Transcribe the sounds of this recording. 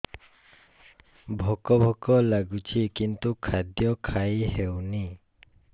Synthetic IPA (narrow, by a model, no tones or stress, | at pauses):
bʱɔkɔbʱɔkɔlaɡut͡ʃʰikint̪ukʰad̪jɔkʰajhewni